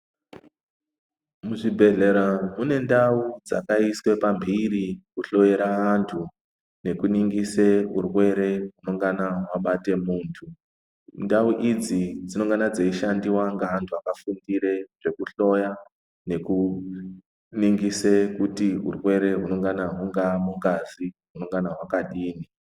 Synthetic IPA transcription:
muʐibʱe̞ɮe̞ɾamune̞ndaud͡za̰kaiswe̞pambʱiɾikuɬo̞jeɾaantʰu | ne̞kuniŋɡiseurwe̞ɾe̞ɦuno̞ŋɡanaɦwaɓate̞muːntʰu | ndauʔid͡zid͡zino̞ŋɡanad͡zeiʃandiwaŋɡaːntʰuakafundiɾe̞ʐ̥e̞kuɬo̞ja | ne̞ku | niŋɡisekutiṵrwe̞ɾe̞ɦuno̞ŋɡanaɦuŋɡamuŋɡaziɦuno̞ŋɡanaɦwakaɗiːni

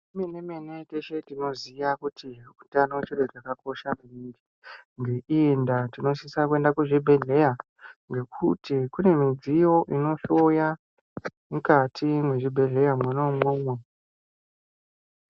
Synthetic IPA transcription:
menemeneteʃe̞tino̞ziʋakutʰiutanot͡ʃiɗot͡ʃakako̞ʃamiiri | ŋɡe̞ʔiendatino̞sisakue̞ndakuʐibʱe̞ɮe̞ja | ŋɡe̞kʰutikune̞mid͡zijo̞ʔino̞ɬoja | mukatʰimwe̞ʐibʱe̞ɮe̞jamwanomwomwe

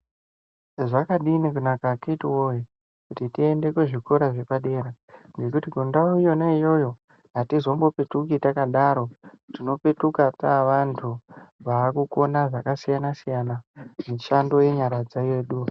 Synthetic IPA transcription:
ʐakaɗinikunakakitiwoje | kutitie̞nde̞kweʐiko̞ɾaʐe̞paɗe̞ːɾa | ŋɡe̞kutikundaujo̞naijo̞jo̞ | ɦatizo̞mbo̞pe̞tukitakaɗaɾo̞tino̞pe̞tukataʋantʰuʋaːkuko̞naʐakasijanasijanamiʃando̞je̞ɲaɾad͡zaje̞ːɗu

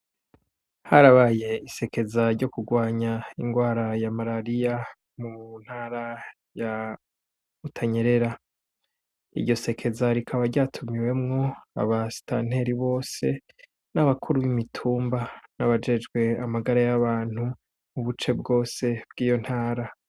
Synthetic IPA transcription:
haɾaβaje̞ise̞ke̞zaɾɟo̞kuɡwaːɲaiŋɡwaːɾajamaɾaɾija | mun̥haːɾa | ja | utʰaɲe̞ɾe̞ɾa | ḭɾɟo̞se̞kʰe̞zaɾikʰaβaɾɟaːtʰumiwe̞mŋo̞a̰βasi̥ta̰n̥he̞ɾiβo̞ːse̞ | naβakʰuɾuβimitʰuːmbanaβad͡ʒe̞d͡ʒɡwe̞amaɡaɾajaβaːn̥hu | muβut͡ʃe̞bɡo̞ːse̞b̥̚ɡiːjo̞n̥haːɾa

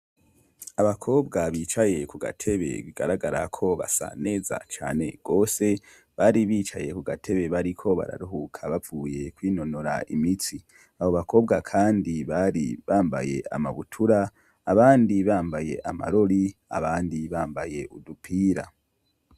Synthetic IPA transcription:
aβakʰo̞ːbɡaβiːt͡ʃaje̞kuɡa̰tʰe̞βe̞̰βiɡa̰ɾaɡaɾa̰kʰo̞βa̰sa̰ne̞ːza̰t͡ʃa̰ːne̞ɡ̥o̞ːse̞ | βaɾiβiːt͡ʃaje̞kuɡatʰe̞βe̞βaɾikʰo̞βa̰ɾa̰ɾuɦukʰaβavuːje̞kwiːno̞noɾa̰ḭmiti | aβo̞βakʰo̞ːbɡakʰaːndiβaɾiβaːmba̰je̞ʔa̰ma̰βutʰuɾaː | βaːndiβaːmbaje̞̰ʔama̰ɾo̞ɾia̰βaːndiβaːmbaje̞ʔudupʰiːɾa̰

